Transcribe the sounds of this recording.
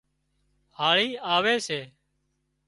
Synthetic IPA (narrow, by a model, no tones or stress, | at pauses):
haːɭiːaːʋeːseː